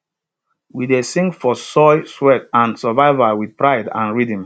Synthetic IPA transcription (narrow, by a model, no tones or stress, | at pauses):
widesĩŋɡfɔsɔɪswɛtãnsəvaɪvawidpɹaɪdã̰nɹidə̃m